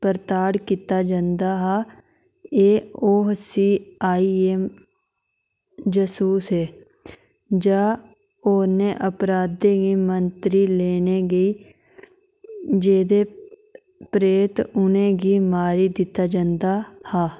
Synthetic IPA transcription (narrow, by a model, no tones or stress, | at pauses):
pəɾt̪aːɽkiːt̪aːd͡ʒãːnd̪aːɦaː | eːoːɦsiːaːiːeːm | d͡ʒəsuːsɦeː | d͡ʒaː | oːnẽːʔəpɾaːd̪eːɡiːmənt̪ɾiːleːneːɡəiː | d͡ʒeːd̪eː | pɾeːt̪ʊnẽːɡiːmaːɾiːd̪ɪt̪ːaːd͡ʒãːnd̪aːhaː